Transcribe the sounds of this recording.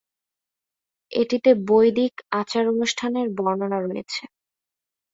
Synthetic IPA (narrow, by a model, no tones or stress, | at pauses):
ḛʈit̪ebojd̪ikat͡ɕaɾonuʃʈʰaneɾbɔɾnonaɾunḛt͡ɕʰe